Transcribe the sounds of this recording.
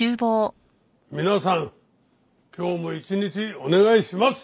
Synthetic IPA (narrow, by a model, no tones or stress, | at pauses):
ɨːboː | mʲinasãŋ | kʲʰo̞ːmo̞it͡ɕiɲit͡ɕio̞ne̞ɡaiɕimasɨ̥